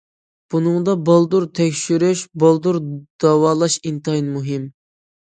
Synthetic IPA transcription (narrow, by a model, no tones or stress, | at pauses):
b̥unɨŋd̪ɑbɑlˠd̪uɾt̪ʰɛkʲʃyɾyʃbɑlˠd̪uɾd̪̥ɑwɑːlˠɑʃint̪ɨinmuɦɪm